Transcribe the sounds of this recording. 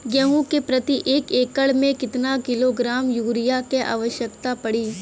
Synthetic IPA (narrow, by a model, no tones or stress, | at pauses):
ɡjɛɦũkepɾɐt̪iʔeːkeːkəɭmẽkɪt̪nakɪloɡɾaːmjuːɾɪjakeʔa̰ːʋəʃjəkt̪apɐɽiː